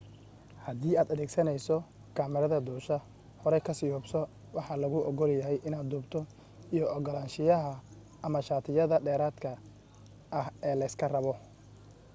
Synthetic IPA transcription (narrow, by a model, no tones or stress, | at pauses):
hɐðiːaːd̪ɐðɛːɡsɐnɛjsɔ | kʰaːmɪɾɐðɐd̪uːʃɐ | hɔɾɛjkʰɐsɪjɔːbsɔ | wɑħɑlɐɣʊʔɔɣɔljɐɦɛjʔɪnaːd̪̚d̪uːbt̪ʰɔ | ijɔɔɡɔlaːnʃɪjɐɦɐ | ʔɐmɐʃaːt̪ʰɪjɐðɐɖɛːɾaːd̪kʰɐː | hɛːlɐɪskʰɐrɐβɔ